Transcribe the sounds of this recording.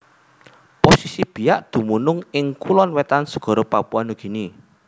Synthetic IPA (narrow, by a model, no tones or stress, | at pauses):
posisib̥i̤jaʔd̪̥ṳmunʊŋɪŋkulɔnwɛt̪ansə̥ɡ̥ɔ̤ɾopapuanuɡ̥i̤ni